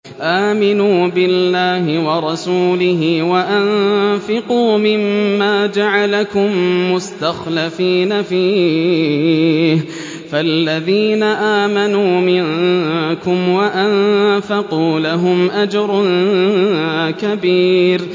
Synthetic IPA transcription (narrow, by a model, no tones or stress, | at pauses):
ʔaːmɪnuːbɪlːaːɦɪwɑɾˤɑsuːlɪɦɪwaʔanfɪquːmɪmːaːd͡ʒaʕalakʊmːʊst̪axlafiːnafiː | h | falːaðiːnaʔaːmanuːmɪnkʊmwaʔanfɑquːlaɦʊmʔad͡ʒɾˤʊn | kabiːɾ